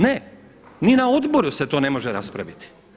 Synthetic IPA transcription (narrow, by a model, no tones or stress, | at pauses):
ne | ninao̞d̪bo̞ɾuse̞t̪oːne̞mo̞ʒeɾaspɾa̰ʋit̪i̥